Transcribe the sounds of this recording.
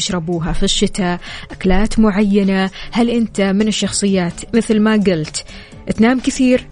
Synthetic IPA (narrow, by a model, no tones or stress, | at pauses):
ɪʃɾˤɑbuːɦafiʃːɪt̪aʔaklaːt̪mʊʕajːanahalʔɪnt̪amɪnɪʃːɑxsˤɨjːaːt̪mɪθlmaɡɪlt̪ | ʔt̪naːmkɪθiːɾ